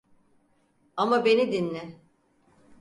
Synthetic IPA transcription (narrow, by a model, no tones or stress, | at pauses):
amabe̞nid̪inːʲɛ